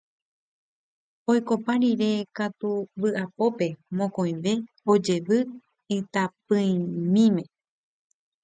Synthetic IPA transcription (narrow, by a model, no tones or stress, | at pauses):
ojko̞paɾiɾe̞kat̪uʋɨʔapo̞pe̞mõkõj̃ʋe̞ | o̞d͡ʒe̞ʋɨ | ɨt̪apɨ̃ĩmĩmẽ̞